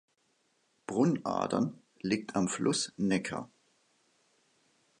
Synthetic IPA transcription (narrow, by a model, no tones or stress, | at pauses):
b̥ʁʊna̰ɐdɐ̰n | liːk̚tʰamflʔʊsnɛkʰɐ̰